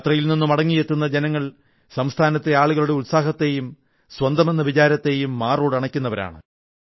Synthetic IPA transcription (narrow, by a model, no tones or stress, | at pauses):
t̪rɐjilninːumɐɽɐŋːijet̪ːunːɐd͡ʑenɐŋːɐɭ | sɐmst̪ʰaːnɐt̪ːeaːɭuɣɐɭuɽe̞ulsaːɦɐt̪ːe̞jum | sʋɐnd̪ɐme̞nːɐʋit͡ɕaːɾɐt̪ːe̞jumːaːroːɽɨɐɳɐkʲːunːɐʋɐɾa̰ːɳɨ̰